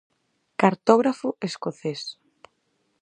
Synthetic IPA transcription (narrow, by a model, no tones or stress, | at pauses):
kaɾt̪ɔɣɾafʊʔeskoθes